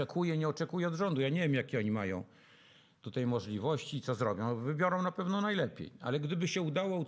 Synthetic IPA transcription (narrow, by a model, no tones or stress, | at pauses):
ɛkʰujɛɲɛɔt͡ʂɛkujɛɔd̪ʐɔnd̪ujaɲevʲjemjakʲɛɔɲimajɔ̰̃w̃ | t̪ut̪ɛjmɔʐlʲivɔɕt͡ɕiːt̪sɔzɾɔbʲjɔ̃w̃vɘbʲjɔɾɔ̃w̃napɛvnɔnajlɛpʲjḛja̰lɛɡd̪ɘbɘɕɛud̪awɔu